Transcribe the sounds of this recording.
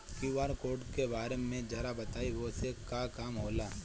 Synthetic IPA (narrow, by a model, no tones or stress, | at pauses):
kiʋaːɾkoːɖkebaːɾemẽd͡ʒɐɾabɐt̪aːiʋosekakaːmɦoːlaː